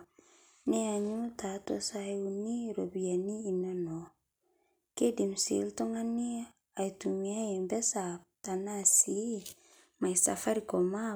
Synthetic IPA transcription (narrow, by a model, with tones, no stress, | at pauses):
ne˦a˨ɲu˦lta˨to˦sa˦u˨ni˦ɾo˨bi˨ja˨niː˦˨na˦no˨ | ke˦di˨msḛ˨˦lto˦ŋa˦ni˦ | a˨jtu˨mi˦a˦jɛ˨mbɛ˦sa˨ta˨na˦si˦ | ma˨jsa̰˨fa˦ɾiko˨ma˦